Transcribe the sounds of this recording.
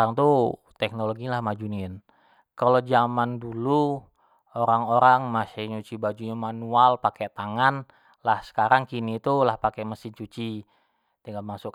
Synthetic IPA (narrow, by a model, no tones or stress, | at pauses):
aŋt̪u | t̪ɛk̚noloɡiɲlahmad͡ʒuniɛn | kalod͡ʒamandulu | oɾaŋoɾaŋmasɪɲut͡ʃibad͡ʒuɲamanualpakɛʔt̪aŋan | lahsə̥kaɾaŋkinit̪ulahpakɛməsiɲt͡ʃut͡ʃi | t̪iŋɡalmasʊk